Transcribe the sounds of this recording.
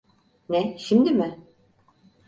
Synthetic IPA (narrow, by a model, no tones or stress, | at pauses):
nɛʃimd̪ɪmɪ